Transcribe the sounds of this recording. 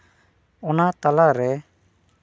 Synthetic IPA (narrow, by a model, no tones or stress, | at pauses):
ɔnat̪alaɾɛ